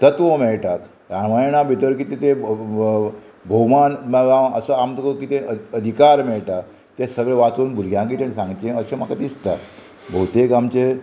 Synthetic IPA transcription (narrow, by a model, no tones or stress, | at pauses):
t̪ət̪ʋomɛɭʈak | ɾamajɳ̃abʱit̪əɾkit̪et̪e | bʱəwmanmaəsəamt̪okokiːt̪eəəd̪ʱikaɾmɛɭʈak̚ | t̪esəɡɭeʋat̪uːnbulɡjãɡiːt̪aɽ̃isãŋɡt͡ɕẽəɕem̤akat̪ist̪a | bʱəwt̪ekamt͡ɕe